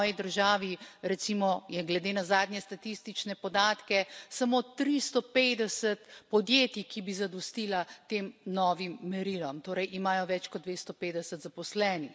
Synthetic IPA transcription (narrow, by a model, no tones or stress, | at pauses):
jid̪əɾʒaːʋiɾɛt̪simɔjɛɡlɛd̪eːnazaːd̪njɛst̪at̪ist̪it͡ʃnɛpɔd̪aːt̪kɛsamoːt̪ɾist̪ɔpeːd̪ɛsət̪pɔd̪jeːt̪ikibizad̪ɔst̪iːlat̪eːmnɔːʋimːɛɾilɔmt̪oːɾɛjʔimaːjɔʋɛt͡ʃkɔd̪d̪ʋest̪ɔpeːd̪ɛsət̪zapɔslɛːnix